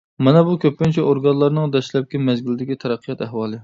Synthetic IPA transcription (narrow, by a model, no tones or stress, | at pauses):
mɛnɛbukʲøp̚kʲynt͡ʃʰɛoɾɡɑnlˠɑɾnɨŋd̪ɛʃlɛp̚kʲimɛzɡʲɪlɪd̪ɪkʲit̪ʰɛɾɛqʰːijɑt̪ɛhwɑːlˠɨ